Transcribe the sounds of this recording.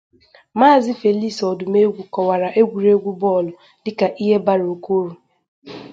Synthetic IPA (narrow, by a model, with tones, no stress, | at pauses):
maː˦˨zɪ˦fe˨li˦sɔ˨dʊ˨me˦ɡʷu˨kɔ˨wa˨ɾa˨ʔe˦ɡʷu˨ɾe˦ɡʷu˦bɔ˦˨lʊ˨ | dɪ˨ka˨ʔi˦ɦe˦ba˦ɾo˨ko˦ɾu˨